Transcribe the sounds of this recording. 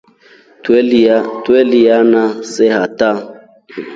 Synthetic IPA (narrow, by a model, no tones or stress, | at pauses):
twelijanasehata